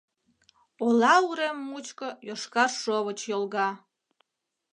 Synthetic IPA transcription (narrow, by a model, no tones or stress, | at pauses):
olˠɑuɾemːut͡ɕkojoʃkɑrʃoβət͡ɕjolˠɣɑ